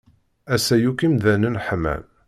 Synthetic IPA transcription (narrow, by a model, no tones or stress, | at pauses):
æsæjukimðænənħmæ̰m